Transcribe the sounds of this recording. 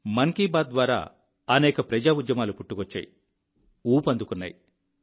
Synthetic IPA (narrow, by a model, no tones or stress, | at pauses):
mɐŋkiːbaːd̪̚d̪ʋaːɾa̰ː | ɐnɛːkɐpɾɐd͡ʒaːud͡ʒ̪jɐmaːlupuʈːuɡot͡ʃːa̰ːji | uːpɐnd̪ukunːa̰ji